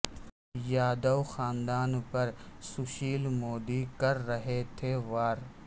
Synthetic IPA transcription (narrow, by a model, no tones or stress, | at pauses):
jaːd̪ɐwxaːnd̪aːnpɐɾsʊʃiːlmoːd̪iːkɐɾːɐɦet̪ʰeːʋaːɾ